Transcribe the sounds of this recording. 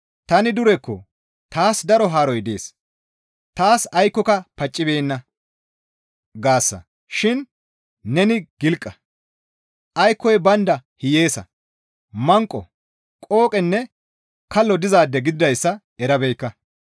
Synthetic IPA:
t̪ɐnɪd̪ʊɾɛkːɔ̰ | t̪aːsd̪ɐɾɔɦaːɾɔjd̪e̞̰ːs | t̪aːsɐjkːɔkɐpɐt͡ʃʼːɪbeːnːɐ | ɡaːsːɐ̰ | ʃɪn | nɛnɪɡ̥ɪlkʼːɐ | ʔɐjkːɔjbɐnd̪ɐhɪje̞ːsɐ̰ | mɐŋkʼːɔ̰ | kʼo̞ːkʼɛnːɛ | kɐlːɔd̪ɪzaːd̪ːɛɡɪd̪ɪd̪ɐjsːɐ | ɛɾɐbɛjkːɐ

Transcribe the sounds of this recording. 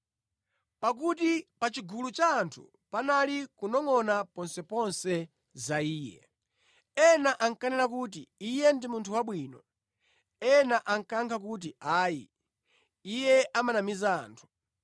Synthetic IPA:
pak̬ut̬ipat͡ʃiɡulut͡ʃaːntʰṵ | panalikunɔŋɔnapɔnsɛpɔnsɛ | zaiːjɛ̰ | ɛnaʔaŋkanɛlakut̬iijɛndimuntʰuwaɓwiːnɔ | ɛnaʔaŋkaŋkʰakut̬iaːjḭ | ijɛʔamanamizaa̰ːntʰu̥

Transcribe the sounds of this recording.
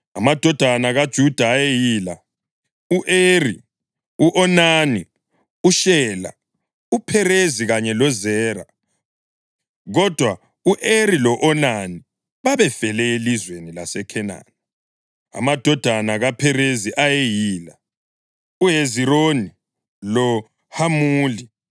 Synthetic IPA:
amad̥ʱɔd̥ʱanaɣad̥ʒ̥ʱud̥ʱaːjejiːla | uʔeri | uʔɔnani | uʃɛːla̰ | upʰɛreziɣaɲɛlɔzɛːra | ɣɔd̥ʱwa | uʔerilɔʔɔnani | βaβɛfɛlɛelizwenilasɛkʰɛna̰nɛ | a̰mad̥ʱɔd̥ʱanaɣapʰɛɾeziʔajejiːla | uɦezironi | lɔ | hamuːli

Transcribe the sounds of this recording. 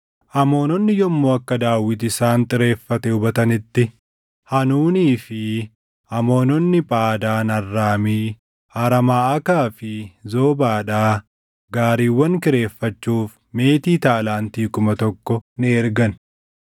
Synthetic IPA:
ʔɐmo̞ːnɔnːɪjɔmːoɐkːɐd̪aːwːɪt̪ɪsaːnt̪ʼɪɾe̞ːfːɐt̪ɛʊbɐt̪ɐnɪt̪ːɪ | hɐnuːniːfɪ | ʔɐmo̞ːnɔnːɪpʼaːd̪aːnɐrːaːmiː | aɾɐmaːɐkaːfɪzo̞ːbaːᶑaː | ɡaːɾiːwːɐŋkɪɾe̞ːfːɐt͡ʃːuːf | me̞ːt̪iːt̪aːlaːnt̪iːkʊmɐt̪ɔkːɔnɪɛɾɡɐn

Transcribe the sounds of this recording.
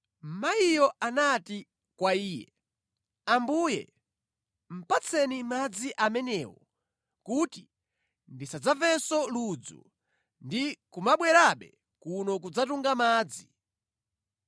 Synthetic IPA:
m̩majijɔanati | kwaiːjɛ̰ | ambuːjɛ̰ | m̩pat͡sʰɛnimad͡ziʔamɛnɛːwɔ | kuti | ndisad͡zavɛsɔlud͡zṵ | ndikumaɓwɛɾaɓɛ̰ | kunɔk̬ud͡zatuŋɡamaːd͡zi

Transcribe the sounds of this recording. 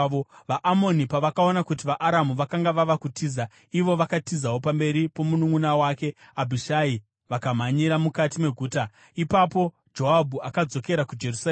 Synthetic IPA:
oʋaʔːmo̞nipaʋakao̞nakut̬iʋaʔaɾamuʋakaŋɡaʋaʋakutiːza | iʋo̞ʋakatizawopambe̞ɾipo̞munuŋunawaːke̞abʱiʃai | ʋakam̤aɲiɾamukatime̞ɡʱuːta | ipapo̞ | d͡ʒo̞abʱuakad͡zo̞ke̞ɾakud͡ʒe̞rusa

